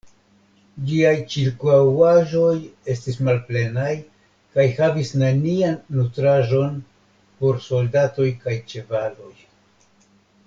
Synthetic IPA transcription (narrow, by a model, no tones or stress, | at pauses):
d͡ʒiajt͡ʃiɾkuawaʒo̞je̞stismalple̞naj | kajhavisnanianːutɾaʒo̞n | po̞ɾso̞ldato̞jkajt͡ʃe̞valo̞j